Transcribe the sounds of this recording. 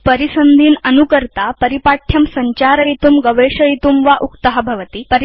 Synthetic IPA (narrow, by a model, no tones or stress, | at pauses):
pəɾisənd̪ʱiːnənukəɾt̪apəɾipaʈʰjɐmsɐɲt͡ɕaɾɐit̪uːmɡəʋeʂəɭit̪uːmʋaʔukt̪əɦɐbʱɐʋt̪iːpəɾ